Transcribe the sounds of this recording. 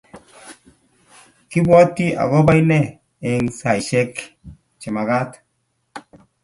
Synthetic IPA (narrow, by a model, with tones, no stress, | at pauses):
ki˦bwa˦ti˦a̰˨ɣɔ˦ba˦jnɛ˦˨ | ɛ˨ŋsa˨jʃɛ˦k | t͡ʃɪ˨ma˨ɡa˦t̪